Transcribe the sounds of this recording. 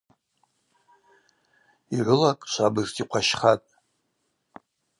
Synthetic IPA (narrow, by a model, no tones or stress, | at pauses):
iʕʷɨlakʼʃʷʰabɨztʼiqʷʰaʃχatʼ